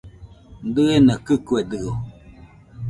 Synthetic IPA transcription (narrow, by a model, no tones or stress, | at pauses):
n̩dɨenəkɨkuɛdɨɣo